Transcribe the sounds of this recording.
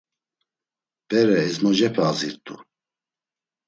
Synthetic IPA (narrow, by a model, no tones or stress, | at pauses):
b̥ɛɾɛɛzmɔd͡ʒɛpʰɛaziɾt̪ʰʼṵ